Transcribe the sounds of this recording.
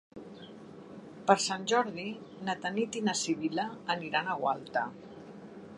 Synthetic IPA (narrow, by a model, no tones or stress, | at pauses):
pəɾsanʲʒɔɾðinat̪anit̪inasiβilaːniɾanaɣwa̰lˠt̪a